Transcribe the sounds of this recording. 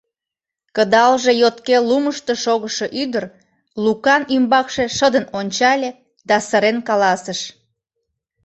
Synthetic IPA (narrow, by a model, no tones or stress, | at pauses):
kəd̪ɑlʒe̽jot̪keluməʃt̪əʃoɣəʃoʔyd̪ər | lukɑnymbɑkʃeʃəd̪ənonʲt͡ɕɑlʲe | d̪ɑsəɾenkɑlɑsəʃ